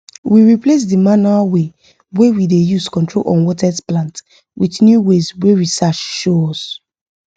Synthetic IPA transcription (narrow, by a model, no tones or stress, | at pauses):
wiɹiples̬dimanuawe | wewidejuskɔ̃ntɹo̰lʔɔ̰̃nwɔtɛsplãnt | wiθnjuweswewisat͡ʃʃoɔs